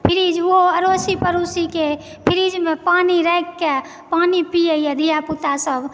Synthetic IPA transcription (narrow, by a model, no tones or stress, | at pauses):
pʰiɾid͡ʒoɦoəɾosipəɾusike | pʰiɾid͡ʒmepaniɾəjkːe | panipijəjəd̪ʱijaput̪asəb